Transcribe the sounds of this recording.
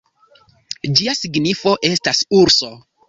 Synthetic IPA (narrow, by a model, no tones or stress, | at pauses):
d͡ʒiasiɡnifo̞ʔe̞stasuɾso̞